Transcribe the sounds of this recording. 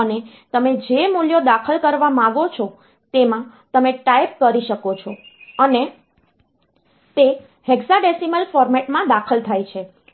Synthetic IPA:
əne | t̪əmed͡ʒemuljod̪akʰəlkəɾʋamãɡot͡ʃʰɔ | t̪emã | t̪əmeʈajp̚kəɾiʃəkot͡ʃʰɔəne | t̪e | heɡsaɖesiməlfɔɾmeʈmãd̪akʰəlt̪ʰajt͡ʃʰe

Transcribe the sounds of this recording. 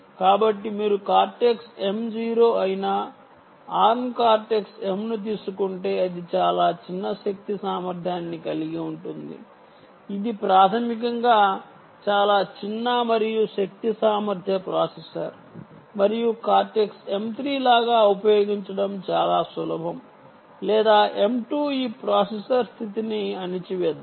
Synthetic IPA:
kaːbɐʈːimiːɾukaːɾʈekse̞md͡ʒiːɾo̞ːɐjinɐ | aːɾnkaːɾʈekse̞mnut̪̬iːsukuɳʈe̞ːɐd̪it͡ʃaːlaːt͡ʃinːɐʃɐk̚t̪isaːmɐɾd̪ʱjaːnːikɐliɡiuɳʈund̪ḭ | id̪ipɾaːt̪ʰɐmik̬ɐŋɡaː | t͡ʃaːlaːt͡ʃinːaːmɐɾijuʃɐk̚t̪isaːmɐɾd̪ʱjɐpɾaːsesɐɾ | mɐɾijukaːɾʈekse̞mt̪ɾiːlaːɡaːupɐjoːɡiɲt͡ʃɐɽɐmt͡ʃaːlaːsulɐbʱɐm | lɛːd̪aːʔe̞mʈuːiːpɾaːsesɐɾst̪ʰit̪iniɐnit͡ʃiʋɛd̪

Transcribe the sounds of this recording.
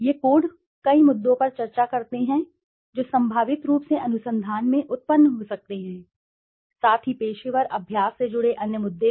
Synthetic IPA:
jeːkoːɽ | kɐimʊd̪ːõpɐɾt͡ʃɐɾt͡ʃakɐɾt̪eɦɛ̃ | d͡ʒoːsɐ̃mbʱaːʋɪt̪ɾuːpseʔɐnʊsə̃nd̪ʱaːnmẽʔʊt̪̚pənːɦosɐk̚t̪eɦɛ̃ː | saːt̪ʰipeːʃɪʋəɾɐbʱjaːsːed͡ʒʊɽeʔɐnjəmʊd̪ʱːe

